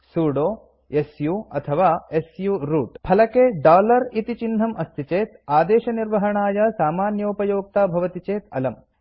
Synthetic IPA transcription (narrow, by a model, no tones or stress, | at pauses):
suːɽoː | esjuːɐt̪ʰɐʋaːesjuːɾuːʈpʰɐlɐkeːɖaːlɐɾit̪it͡ʃind̪ʱɐmɐst̪ʰit͡ʃeːt̪aːd̪eːʃɐniɾʋɐɦɐɳaːjɐsaːmaːnjɐupɐjoːk̚t̪aːbʱɐʋɐt̪it͡ʃeːt̪ɐ̰lɐm